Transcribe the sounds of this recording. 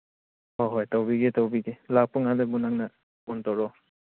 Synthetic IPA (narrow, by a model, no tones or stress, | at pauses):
hɔɦɔjtawbiɡetawbiɡelapuŋadɯbunaŋna | untɔɾɔ